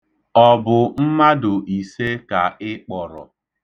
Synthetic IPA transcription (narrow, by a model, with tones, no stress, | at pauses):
ɔ˨bʊ˨m̩˦ma˦dʊ˨ʔi˨se˦ka˨ɪ˦k͡pɔ˨ɾɔ̰˨